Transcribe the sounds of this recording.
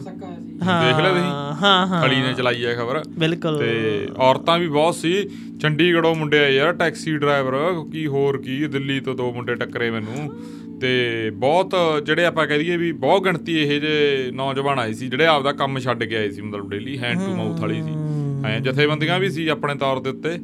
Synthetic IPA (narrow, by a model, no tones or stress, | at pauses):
ãd̪eːkʰleːiːɦãːɦʰəliːnẽːt͡ʃəlaːiːɛːkʰəbəɾbɪlkʊlt̪eːɔːɾt̪ãːbiːbɔːt̪siː | t͡ʃʰəɳɖiːɡəɽõːmʊɳɖeːaːiːaːʈɛːksiːɖɾaːɪʋəɾ̃kiːɦoːɾkiːd̪ɪlːiːt̪õːd̪oːmʊɳɖeːʈəkːɾeːmɛ̃ːnũː | t̪eːbɔːt̪d͡ʒeːɽeːaːpãːkɛ̃ːd̪iːɛːbiːbɔːt̪̚ɡəɳt̪iːeɦeːd͡ʒenɔːd͡ʒʋãːnaːiːsiːd͡ʒeːɽeːaːpd̪aːkəmʃʰəɖɡɪaːeːsiːmət̪ləbɖeːliːɦɛ̃ːɳʈuːmaut̪ʰəliːsiːɦãd͡ʒɪt̪ʰːeːbənd̪ɡãːbiːs̬iːaːpɳẽːt̪ɔːɾd̪eːʊt̪ːeː